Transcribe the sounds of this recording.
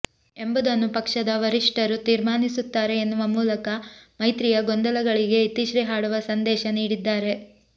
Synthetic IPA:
e̞mbud̪ɐnːupɐkʂɐd̪ɐʋɐɾiʂʈɐɾut̪iːɾmaːnisut̪ːaːɾe̞ːnːuʋɐmuːlɐkɐmɐjt̪ɾijɐɡond̪ɐlɐɡɐɭiɡe̞it̪iʃɾiɦaːɽuʋɐsɐnd̪ɛːʃɐniːɽid̪ːaːɾe̞

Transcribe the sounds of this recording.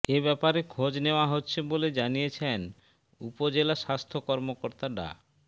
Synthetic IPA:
ebɛpaɾekʰod͡ʑneoaɦotːɕʰeboled͡ʑanijet͡ɕʰen | upod͡ʑelaʃast̪ʰokɔɾmokoɾt̪aɖa̰

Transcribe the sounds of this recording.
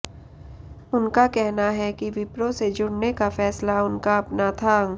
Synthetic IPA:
ʊnkakɛɦnaɦɛkiʋɪpɾosed͡ʒʊɽnekafɛːslaʊnkaɐpnat̪ʰa

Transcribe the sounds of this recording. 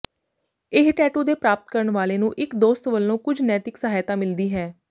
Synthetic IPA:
ɪɦʈɛːʈuːd̪eːpɾaːpət̪kəɾəɳʋaːleːnũːʔɪkd̪oːst̪ʋəlːõːkʊd͡ʒʱnɛːt̪ɪksəɦaːjt̪ãːmɪld̪iːɦɛː

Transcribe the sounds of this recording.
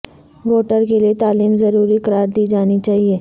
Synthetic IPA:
ʋoʈəɾkelet̪aliːmd͡zəɾuɾiːkəɾaɾt̪iːd͡zaɽ̃iːt͡ɕaɦie

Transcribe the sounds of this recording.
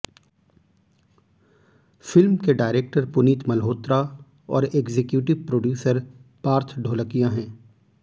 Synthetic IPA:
fɪlmkeɖaːɪɾeːk̚ʈəɾpʊniːt̪mɐlɦoːt̪ɾa | ɔ̰ːɾeːɡzekjuːʈɪʋpɾoːɖjuːsəɾpaːɾt̪ʰɖʱoːləkijãɦɛ̃ː

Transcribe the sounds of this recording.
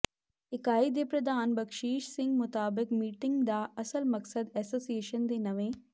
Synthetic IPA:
ɪkaːid̪epɾɐd̪aːnbɐkʃiːʃsɪ̃ŋɡmʊt̪aːbɪkmiːʈɪ̃ŋɡd̪aːʔɐsəlmɐksəd̪ɛːsoːsieːʃənd̪eːnɐʋẽː

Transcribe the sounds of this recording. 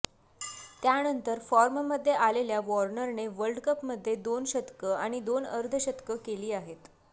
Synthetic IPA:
t̪janənt̪əɾfɔɾmməd̪ʱːjeʔaleljaʋɔɾnəɾneʋəlɖkəpməd̪ʱːjed̪onɕət̪kəaɽ̃id̪onəɾd̪ʱəɕət̪kəkeliːaɦet̪

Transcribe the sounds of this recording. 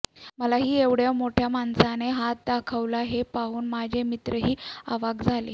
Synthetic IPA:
məlaɦiːeʋɽjamoʈʰjamansaneɦat̪̚d̪akʰəʋlaɦepauːnmad͡ʑʱemit̪ɾəɦiːaʋaɡd͡zʱalḛ

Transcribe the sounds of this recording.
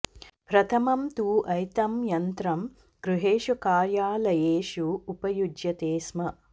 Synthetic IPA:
pɾɐt̪ʰɐmɐmt̪uːʔɐjt̪ɐmjɐnt̪ɾɐm | ɡ̥ɾuɦeːʃukaːɾjaːlɐjeːʃuːpɐjud͡ʒjɐt̪eːsmɐ

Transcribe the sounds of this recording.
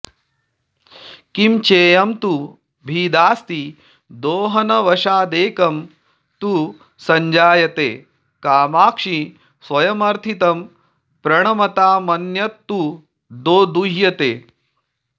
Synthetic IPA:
kimt͡ʃeːjɐmt̪u | bʱiːd̪aːst̪i | d̪oːɦɐnɐʋɐʃaːd̪eːkɐm | t̪u | sɐɲd͡ʒaːjɐt̪eː | kaːmaːkʂi | sʋɐjɐmɐɾt̪ʰit̪ɐm | pɾɐɳ̃ɐmɐt̪aːmɐnjɐt̪ːu | d̪oːd̪uɦjɐt̪eː

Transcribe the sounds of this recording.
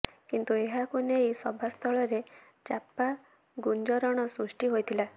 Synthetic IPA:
kint̪ueɦakuneɦjisɔbʱast̪ʰɔɭɔɾe | t͡ʃapa | ɡund͡ʒɔɾɔɽ̃ɔsɾusʈiɦojt̪ʰila

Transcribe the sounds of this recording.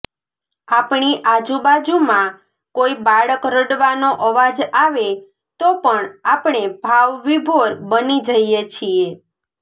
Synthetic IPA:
apɳ̃iʔad͡ʒubad͡ʒumã | koibaɭəkɾəɽʋanoʔəʋad͡ʒaʋe | t̪opəɳapɳ̃ebʱaʋʋibʱoɾbənid͡ʒəjet͡ʃʰie

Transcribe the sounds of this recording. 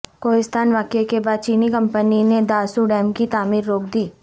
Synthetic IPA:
koːɦɪst̪ʰaːnʋaːkekebaːd̪̚t͡ʃiːnikɐ̃mpənined̪aːsuɖɛːmkit̪aːmiːɾːoːk̚d̪iː

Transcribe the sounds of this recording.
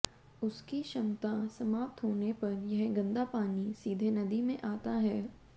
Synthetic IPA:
ʊskiʃɐmt̪asɐmaːp̚t̪ɦoːnepɐɾjɐɦɡɐ̃nd̪apaːnisiːd̪ʱenɐd̪imẽʔaːt̪aɦɛː

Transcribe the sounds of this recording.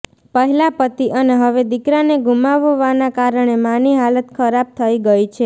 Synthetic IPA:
pəɦilapət̪iʔəneɦəʋed̪ikɾaneɡumaʋoʋanakaɾəɳ̃emaniɦalət̪kʰəɾab̚t̪ʰəiɡəit͡ʃʰe

